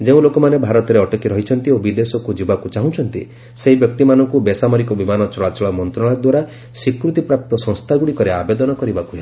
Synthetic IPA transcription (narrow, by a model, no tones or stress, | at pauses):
d͡ʒeũlokɔmanebʱaɾɔt̪ɔɾeɔʈɔkiɾɔɦit͡ʃʰɔnt̪iobid̪esɔkud͡ʒibakut͡ʃaɦũt͡ʃʰɔnt̪ḭ | seɦibjɔk̚t̪imanɔŋkubesamɔɾikɔbimanɔt͡ʃɔɭat͡ʃɔɭɔmɔnt̪ɾɔɭad̪waɾa | sikɾut̪ipɾap̚t̪ɔsɔ̃ŋst̪ʰaɡuɽikɔɾeabed̪ɔnɔkɔɾibakuɦe